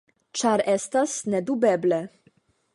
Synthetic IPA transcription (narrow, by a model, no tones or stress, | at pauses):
t͡ʂaɾɛst̪asnɛd̪ubɛblɛ